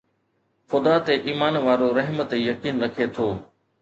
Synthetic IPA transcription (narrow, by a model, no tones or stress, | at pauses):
fʊd̪aːt̪eʔiːmaːnʋaːɾoɾɐɦmə̆t̪ejɐkiːnɾɐkʰet̪ʰoː